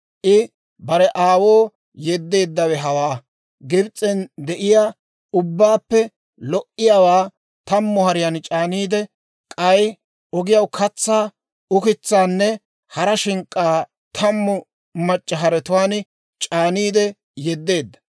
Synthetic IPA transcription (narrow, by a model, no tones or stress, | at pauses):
ʔɪ | bɐɾɛʔaːwoː | jɛd̪ːe̞ːd̪ːɐwɛɦɐwaː | ɡɪbt͡sʼɛnd̪ɛʔɪjaː | ʊbːaːpːɛ | lɔʔɪjawaː | t̪ɐmːʊhɐɾɪjant͡ʃʼaːniːd̪ɛ | kʼɐj | ʔɔɡɪjɐwkʰɐt͡sːaː | ʊkɪt͡sːaːnːɛ | hɐɾɐʃɪŋkʼːaː | t̪ʰɐmːɔ | mɐt͡ʃʼːɐɦɐɾɛt̪ʊwaːn | t͡ʃʼaːniːd̪ɛ | jɛd̪ːe̞ːd̪ːɐ̥